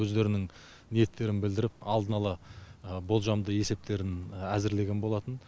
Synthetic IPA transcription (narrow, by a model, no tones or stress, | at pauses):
ɵzd̪e̞ɾɪnɪŋ | nije̞t̪ʰːe̞ɾɪnbɪld̪ɪɾɪp̚ɑlˠd̪ənɑlˠɑbo̞lˠʒɑmd̪əe̞se̞p̚t̪ʰe̞ɾɪnæzɪɾle̞ɡʲe̞nbo̞lˠɑt̪ən